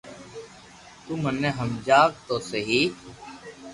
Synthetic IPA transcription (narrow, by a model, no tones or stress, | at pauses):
t̪uːmənːeːɦəmd͡ʒaːkt̪oːseɦiː